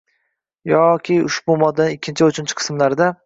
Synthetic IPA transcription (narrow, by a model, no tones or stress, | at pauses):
jɒkʲʰɪʊ̰ʃbʊmɒd̪ːanɪɪkʲːɪnt͡ʃʰɪʊt͡ʃʰʊnt͡ʃʰɪqʰɨ̥smlaɾd̪a